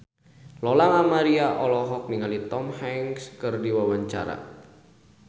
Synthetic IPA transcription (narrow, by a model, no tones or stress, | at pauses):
lɔlamamaɾiaʔɔlɔɦɔk̚niŋalit̪ɔmhɛŋskərdiwawaɲt͡ʃa̰ɾa̰